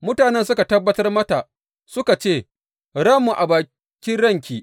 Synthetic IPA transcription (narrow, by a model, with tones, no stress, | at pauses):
mʊ˦taː˨nɛ˦ns̬ʊ˦ka˨tɐ˦bːɐ˦tɐ˦rmɐ˦ta˨ʔ | sʊ˦ka˨t͡ʃeː˦˨ | ɽɐ˦mːu˨ʔa˨baː˨ | kʲɪ˦nɽɐ˦˨ŋkʲiː˦˨ʔ